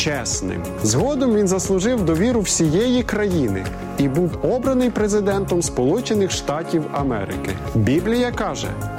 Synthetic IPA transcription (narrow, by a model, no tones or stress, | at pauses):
t͡ʃɛsnɪ̰m | zɦɔd̪ɔmʋʲinzɐslˠʊʒɪwd̪ɔʋʲiɾʊwsʲijɛjikɾɐjinɪ̰ | ibuwɔbɾɐnɪjpɾezɪd̪ɛnt̪ɔmspɔlˠut͡ʃɪnɪxʃt̪ɑtʲiwɐmɛ̰ɾɪ̰kɪ | bʲiblʲijɐkɑʒɛ̰